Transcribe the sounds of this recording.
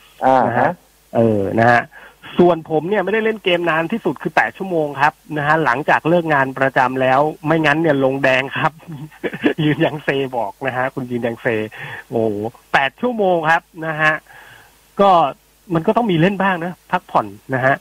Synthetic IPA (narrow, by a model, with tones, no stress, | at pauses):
na˦˥ɦa˦˥ | ʔɤː˨˩na˦˥ha˦˥ʔsu˨˩ənpʰo˩˦mni˥˩ɐma˥˩jda˥˩jle˥˩nkeː˧mnaː˧nt̪ʰiː˥˩su˨˩t̪̚kʰɯː˧pɛː˨˩t̪̚t͡ɕʰu˥˩əmoː˧ŋkʰa˦˥p̚na˦˥kʰa˦˥la˩˦ŋt͡ɕaː˨˩k̚lɤː˥˩k̚ŋaː˧npɾa˧t͡ɕa˧mlɛː˦˥wma˥˩jŋa˦˥nːi˥˩ɐlo˧ŋdɛː˧ŋkʰa˦˥p̚ | jɯː˧nja˧ŋseː˧bɔː˨˩k̚na˦˥kʰa˦˥kʰu˧njɯː˧njaː˧ŋseː˧ʔoː˨˩pɛː˨˩t̪̚t͡ɕʰu˥˩əmoː˧ŋkʰa˦˥p̚na˦˥kʰa˦˥ʔ | kɔː˥˩ | ma˧nkɔː˥˩t̪ɔ˥˩ŋmiː˧le˥˩nbaː˥˩ŋna˦˥pʰːa˦˥k̚pʰɔ˨˩nːa˦˥ka˦˥ʔ